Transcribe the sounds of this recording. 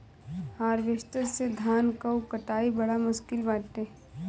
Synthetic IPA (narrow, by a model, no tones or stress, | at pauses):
haːɾʋeʃt̪əɾsed̪ʱaːnkəukəʈaːibɐɽamʊʃkɪlbaːʈ̪ːeː